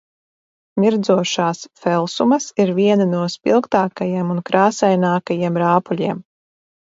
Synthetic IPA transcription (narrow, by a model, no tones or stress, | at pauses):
mʲiɾd̪zuɔʃaːsfɛlˠsumɐsiɾvʲiɛnanuɔspʲḭlˠkt̪aːkajiɛmunkɾaːsɛjnaːkajiɛmɾaːpulʲiɛm